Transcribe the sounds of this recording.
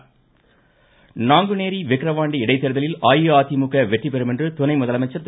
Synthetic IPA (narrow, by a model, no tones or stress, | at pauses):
naːŋɡɯneːɾiʋɛkːɾɐʋaːɳɖiɪɽɐɪt̪ːɛɾɯðɐlɪlaːjɯaːt̪imʊkːɐʋɛʈripɛɾɯmɛndrɯt̪ʊnɐɪmʊðɐlɐmɐɪt͡ʃːɐɾt̪